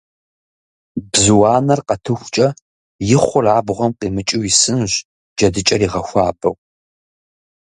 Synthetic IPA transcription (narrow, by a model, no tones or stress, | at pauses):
bzɨwɑːnɐrqɐtʰɨxʷt͡ʃʼɐ | jɪχʷʊraːbʁʷɔmqiːmɨt͡ʃʼwjisɨnʒ | d͡ʒɐdɨt͡ʃʼɐɾiːʁɐxʷɑːbɐw